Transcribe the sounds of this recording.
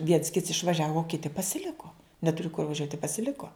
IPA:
ˈʋʲiɛns ˈkʲɪts ɪʃʋɐˈʒʲæːʋoː oː ˈkʲɪtʲɪ pɐsʲɪˈlʲɪkoː nʲɛˈtʊrʲɪ kʊr ʋɐˈʒʲuɔtʲ ɪ pɐsʲɪˈlʲɪkoː

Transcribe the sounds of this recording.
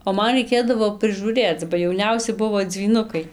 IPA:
oː ˈmɐn rɐɪˈkʲeːdɐʋoː prɨʒuːˈrʲeːt͡s bɐ jɛʊˈnʲɛʊsʲɪ ˈbʊʋoː d͡zʲʋʲiːˈnʊkɐɪ

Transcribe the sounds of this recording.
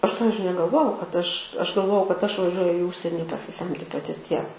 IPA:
ˈɐʃ ˈpɑːʋʲɪzʲd͡ʒʲʊɪ nʲɛɡɐlˠˈʋoːjɛʊ kɐt ˈɐʃ ˈɐʃ ɡɐlˠˈʋoːjɛʊ kɐt ˈɐʃ ʋɐˈʒʲuɔjʊ iː ˈʊʃʲsʲɛnʲɪ pɐsʲɪˈsʲɛmʲtʲɪ pɐtʲɪrʲˈtʲiɛs

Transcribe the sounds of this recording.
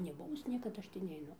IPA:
nʲɛˈbʊʋʊs ˈnʲiɛkɐt ˈɐʃ tʲiː nʲɛɪˈnʊ

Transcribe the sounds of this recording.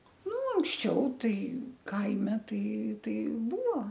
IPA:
ˈnʊ ɐŋksʲˈt͡ʃʲɛʊ ˈtɐɪ ˈkɐɪmʲɛ tɐɪ ˈtɐɪ ˈbuːʋoː

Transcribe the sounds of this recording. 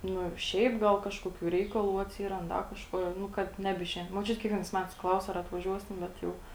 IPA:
ˈnʊ ˈʃʲɛɪp ˈɡɐlˠ ˈkɑːʃkoːkʲuː ˈrʲɛɪkɐlˠuː ɐtʲˈsʲiːrɐnt ˈdɐ kɐʃˈkuɔ jɛʊ ˈnʊ ˈkɐt ˈnʲæːbʲɪˌʃʲɛɪn moːˈt͡ʃʲʊtʲ kʲiɛkˈʋʲiɛnɐɪs ˈmʲæːtɐɪs ˈklˠɐʊs ɐr ɐtʋɐˈʒʲuɔsʲɪm ˈbʲɛt jɛʊ

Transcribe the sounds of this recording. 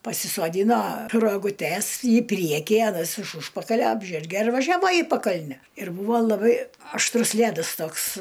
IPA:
pɐsʲɪsoːˈdʲiːnoː roːɡʊˈtʲɛs iː ˈpʲrʲiɛkʲiː ɐˈnɐs ɪʃ ˈʊʃpɐkɐlʲɛ ˈɑːbʲʒʲɛrʲɡʲɛ ɪr ʋɐʒʲɛˈʋɐ iː pɐˈkɐlʲnʲɛ ɪr ˈbuːʋɐ lˠɐˈbɐɪ ɐʃˈtrʊs ˈlʲædɐs ˈtoːks

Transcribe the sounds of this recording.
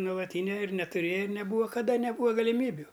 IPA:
nuɔlˠɐˈtʲiːnʲɛ ɪr nʲɛtʊˈrʲeːjɛ ɪr nʲɛˈbuːʋɐ kɐˈdɐ nʲɛˈbuːʋɐ ɡɐlʲɪˈmʲiːbʲʊ

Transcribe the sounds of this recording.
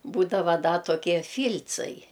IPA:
ˈbuːdɐʋɐ ˈdɐ toːˈkʲiɛ ˈfʲiːlʲt͡sɐɪ

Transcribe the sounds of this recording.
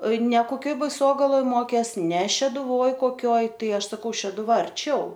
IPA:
nʲɛ koːˈkʲoːj bɐɪˈsoːɡɐlˠoːj ˈmoːkʲeːs nʲɛ ʃʲɛdʊˈʋoːj koːˈkʲoːj ˈtɐɪ ˈɐʃ sɐˈkɐʊ ʃʲɛdʊˈʋɐ ɐrʲˈt͡ʃʲɛʊ

